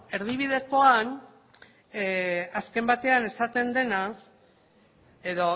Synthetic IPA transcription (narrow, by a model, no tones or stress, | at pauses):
e̞ɾð̞iβ̞ið̞e̞ko̞an | aske̞mbat̪e̞ane̞sat̪e̞nd̪e̞na | eðo̞